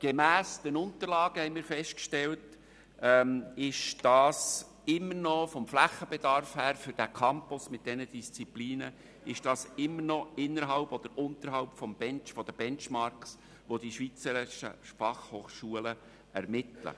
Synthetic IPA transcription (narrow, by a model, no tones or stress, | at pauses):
ɡ̥emæːsd̥ənʊnt̪əɾlɑːɡ̥əhɛɪmɪːɾfɛʃt̚kʃtɛlt | ɛmɪʃd̥ɑːs | ɪmːərnɔfɔmflæχːəbɛd̥ɑɾfhæːɾfʏɾd̥ækʰɑmpʊsmɪt̚d̥ɛnəd̥ist͡sipliːnə | ɪʃd̥ɑːsɪmːəɾnɔɪnːəɾɦɑʊpɔd̥̪əɾʊnt̪əɾɦɑʊpfɔmb̥ɛnt͡ʃfɔd̥əb̥ɛnt͡ʃmɑɾks | ʋod̥iʃʋit͡səɾɪʃə̰fɑχhoːχʃuələ | ɛ̰ɾmɪtlə̰